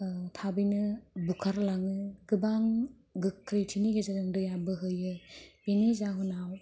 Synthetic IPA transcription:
tʰabɯjnɯbukʰaɾlaŋɯɡ̥ɯbaŋ | ɡɯkːɾetʰiniɡezadɯŋdɯjabɯɦɯjɯbenizaɦɯnaw

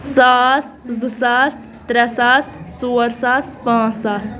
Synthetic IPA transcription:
saːs | zɨsaːs | t̪ɾɐsaːssoːɾsaːspãːsaːs

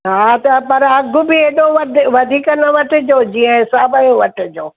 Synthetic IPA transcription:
ɦaːt̪ɐpɐɾɐɡʱʊbɪeːɗoʋɐdʋɐd̪ʱiːkənɐʋɐʈɪ̆d͡ʑoːd͡ʑiːə̃ɦɪsaːbəjõʋɐʈɪ̆d͡ʑoː

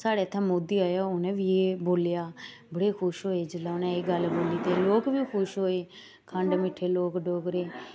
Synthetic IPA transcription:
saːɽeːt̪ʰːãːmoːd̪iːaːjaːʊnẽːʋiːeːboːljaː | bəɽeːkʰʊʃɦoːeːd͡ʒəlaːʊnẽːeːɡəlboːliːt̪eːloːkʋiːkʰʊʃɦoːeː | kʰəɳɖmɪʈʰːeːloːkɖoːkɾeː

